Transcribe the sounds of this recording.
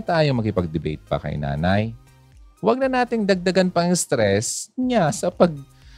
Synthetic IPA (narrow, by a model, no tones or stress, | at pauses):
t̪aːjomɐkɪpɐɡ̚d̪ɪbḛjt̪̚pɐ̰kɐ̰jna̰ːnaj | wɐɡ̚nɐnaːt̪ɪŋd̪ɐɡ̚d̪ɐɡanpɐŋst̪ɾɛsɲasɐpɐɡ̚